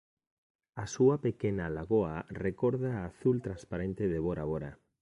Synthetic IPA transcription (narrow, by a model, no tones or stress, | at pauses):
asuapekenalaɣoarekoɾðaːθult̪ɾanspaɾent̪eðeβoɾaβoɾa